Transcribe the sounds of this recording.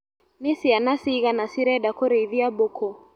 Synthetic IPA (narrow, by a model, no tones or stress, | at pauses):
nisianasiɣanasiɾɛɗakɔɾɛiðiabɔkɔ